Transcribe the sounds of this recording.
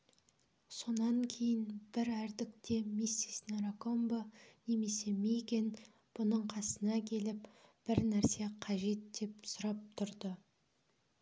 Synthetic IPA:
so̞nɑŋkʲʰe̞jɪnb̥ɪɾæɾd̪ɪkt̪e̞misːisnɑɾako̞mbane̞me̞se̞mejɡʲen | b̥ʊnəɴqʰɑsənɑkʲʰe̞lɪpb̥ɪɾnæɾse̞qʰɑʒe̞t̪̚d̪e̞psʊɾɑp̚t̪ʰʊɾd̪ə

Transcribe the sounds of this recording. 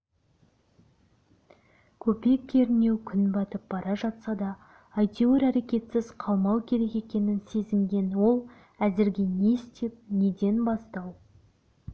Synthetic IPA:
kʲʰɵpe̞kʲːeɾne̞wkʲʰʏnbɑt̪əp̚bɑɾɑʒɑt̪sɑd̪ɑː | jt̪ʲeoɾæɾe̞kʲe̞t̪sɪz̥qʰɑlˠmɑwkʲʰe̞ɾe̞ke̞kʲe̞nɪnse̞zɪŋɡʲe̞nwo̞lˠ | æzɪɾɡʲe̞ne̞st̪e̞p̚ne̞d̪e̞nbɑst̪ɑw

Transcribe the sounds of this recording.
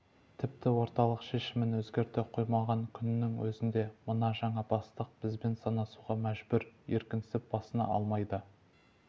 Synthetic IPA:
t̪ʰɪp̚t̪ɪwo̞ɾt̪ɑlˠəqʃe̞ʃɪmɪnwɵzɡʲe̞ɾt̪eqʰo̞jmɑʁɑŋkʲʰʏnɪnɪŋwɵzɪnd̪e̞mənɑʒɑɴɑbɑst̪əq̚b̥ɪzbe̞nsɑnɑsuʁɑmæʒbʏɾje̞̰ɾkʲɪnsɪp̚b̥ɑsənɑ̰ʔɑ̰lˠmɑjd̪ə

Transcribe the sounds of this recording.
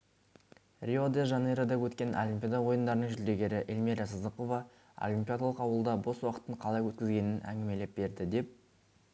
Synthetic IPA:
rʲiod̪eʒɑneɾad̪ɑwɵt̪kʲe̞nʔo̰lʲimpʲjad̪ɑwo̞jənd̪ɑɾənəŋʒʏld̪e̞ɡʲe̞ɾɪʔelmeɾɑsəzəqo̞vɑ | ɑ̰lʲimpʲijad̪alˠəqɑwəlˠd̪ɑbo̞swɑqə̥t̪ːəɴqʰɑlˠɑjwɵt̪̚kʲɪzɡʲe̞nɪnæ̰ŋɡʲɪme̞le̞p̚be̞ɾd̪ɪd̪e̞p̚

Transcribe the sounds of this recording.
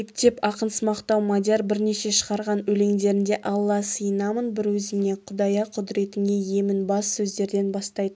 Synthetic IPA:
ekt̪ʰe̞pɑqənsəmɑqt̪ɑwmad̪ʲɑɾbɪɾne̞ʃe̞ʃəʁɑɾʁɑnɵle̞ŋd̪e̞ɾɪnd̪e̞ʔɑlˠːɑsəjənɑmənbɪɾwɵzɪne̞qʰʊd̪ɑjɑqʰʊd̪ɪɾe̞t̪ɪne̞je̞mɪnbɑssɵzd̪e̞ɾd̪e̞nbɑst̪ɑjd̪ə

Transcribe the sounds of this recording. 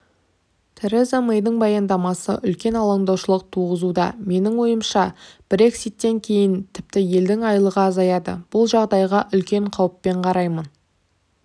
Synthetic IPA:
t̪ʰɪɾezamejd̪əɴbɑjɑnd̪ɑmɑsə̰ʔʏlkʲe̞nɑlˠɑmd̪ɑwʃəlˠəq̚t̪ʰuʁəzud̪ɑ̰me̞nɪŋwo̞jəmʃɑb̥ɾʲe̞ksit̪ːe̞ŋkʲʰe̞jɪnt̪ʰɪ̥p̚t̪ɪje̞ld̪ɪŋɑjlˠəʁɑːzɑjɑd̪ə̰b̥ʊlˠʒɑʁd̪ɑjʁɑʔʏlkʲe̞ɴqʰɑwəpːe̞ɴqʰɑɾɑjmən

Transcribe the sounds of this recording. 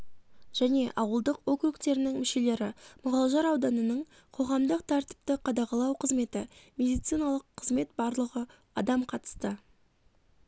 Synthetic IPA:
ʒ̥æne̞ʔɑwəlˠd̪əqwo̞kɾukt̪e̞ɾɪnɪŋmʏʃe̞le̞ɾɪmʊʁɑlˠʒɑɾɑwd̪ɑnənəɴ | qʰo̞ʁɑmd̪əqt̪ʰɑɾt̪i̥p̚t̪əqʰɑd̪ɑʁɑlˠɑwqʰəzme̞t̪ɪmʲe̞d̪ijt̪sɨjnɑlˠəqʰːəzme̞t̪bɑɾlˠəʁə | ɑ̰d̪ɑmqʰɑt̪ə̥st̪ə

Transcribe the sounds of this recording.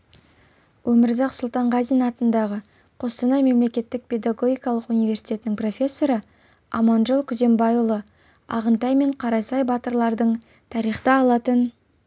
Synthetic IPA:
wʔɵmɪɾzɑqsʊlˠt̪ɑɴʁɑzijnɑt̪ənd̪ɑʁə | qʰo̞st̪ənɑjme̞mle̞kʲe̞t̪ːɪk̚pʰʲe̞d̪aɡo̞ɡʲijkɑlˠəqunijvʲe̞rsi̥t̪ʲe̞ɪnɪŋpro̞fʲe̞sːo̞ɾə | ɑ̰mɑnʒolˠkʲʰʏze̞mbɑjulˠə | ɑ̰ʁənt̪ɑjme̞ɴqʰɑɾɑsɑjbɑt̪əɾlˠɑɾd̪əɴ | t̪ʰɑɾijχt̪ɑɑlˠɑt̪ən

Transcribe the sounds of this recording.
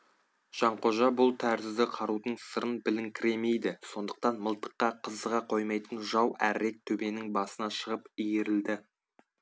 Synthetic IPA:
ʒ̥ɑɴqʰo̞ʒɑbʊlˠt̪ʰæɾzɪzd̪ɪqʰɑɾud̪əɴsəɾənbɪlɪŋkʲʰɪɾe̞me̞jd̪ɪso̞nd̪əq̚t̪ɑnməlˠt̪ə̥qːɑqʰəzəʁɑqʰo̞jmɑjt̪ənʒɑwæ̰ɾːe̞k̚t̪ʰɵbe̞nɪŋbɑsənɑʃəʁəpijeɾɪld̪ɪ

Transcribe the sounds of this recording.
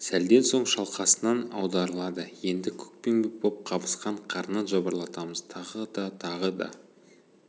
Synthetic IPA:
sæld̪e̞nso̞ɴʃɑlˠqɑsənɑnɑ̰wd̪ɑɾəlˠɑd̪əje̞nd̪ɪkʲʰɵ̥k̚penbʲɪbop̚qʰɑbəsqɑɴqʰɑɾnɑʒɑbəɾlˠɑt̪ɑməz̥t̪ʰɑʁəd̪ɑt̪ʰɑʁəd̪ɑ̰

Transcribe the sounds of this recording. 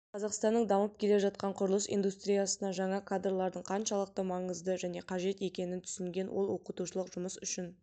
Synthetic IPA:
qʰɑzɑqst̪ɑnːəɴd̪ɑməp̚kʲʰe̞le̞ʒɑt̪̚qɑɴqʰʊɾəlˠəsḭjnd̪ust̪ɾʲijasənɑʒɑɴɑkʰad̪rlˠɑɾd̪əɴqʰɑnʃɑlˠəq̚t̪əmɑɴəzd̪əʒæne̞qʰɑʒe̞t̪e̞kʲe̞nɪnt̪ʰʏ̥sɪŋɡʲe̞nwolˠwo̞qət̪uʃəlˠəqʒʊməsʏʃɪn

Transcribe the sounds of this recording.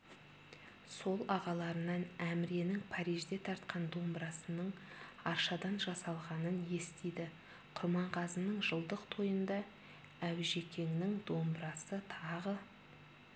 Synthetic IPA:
so̞lˠɑʁɑlˠɑɾənɑnæmɪɾe̞nɪŋpʰɑɾijʒd̪e̞t̪ʰɑɾt̪qɑnd̪o̞mbɾɑsənəɴɑɾʃɑd̪ɑnʒɑsɑlˠʁɑnənje̞st̪ejd̪ɪ | qʰʊɾmɑɴqʰɑzənəɴʒəlˠd̪əqt̪ʰo̞jənd̪ɑ | æwʒe̞kʲe̞ŋnɪŋd̪o̞mbɾɑsət̪ʰɑʁə

